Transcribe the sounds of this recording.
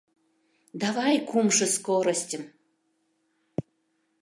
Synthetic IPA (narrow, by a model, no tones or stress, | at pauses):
d̪avajkumʐɨskɔɾɐsʲtʲəm